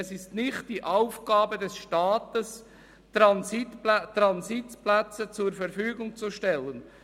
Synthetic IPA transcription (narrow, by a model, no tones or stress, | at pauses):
ɛsɪstnɪχt̚d̥iʔaʊfɡ̥ɑːbədɛsʃtɑːt̪əs | tɾɑnsitltɾɑnsitplæt͡sət͡sʊɾfɛɾfyːɡʊŋt͡suʃtɛlːən